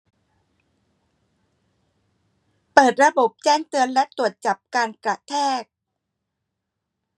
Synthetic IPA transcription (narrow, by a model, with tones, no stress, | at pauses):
pɤː˨˩t̪̚ɾa˧bo˨˩p̚t͡ɕɛː˥˩ŋt̪ɯ˧ənlɛ˦˥ʔt̪u˨˩ət̪̚t͡ɕa˨˩p̚kaː˧nkɾa˨˩ʔt̪ʰɛː˥˩k̚